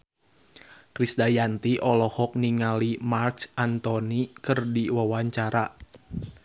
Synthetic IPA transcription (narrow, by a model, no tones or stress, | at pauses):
kɾisdajant̪iʔɔlɔhɔk̚niŋalimarksant̪ɔnikɨrdiwawaɲt͡ʃaɾa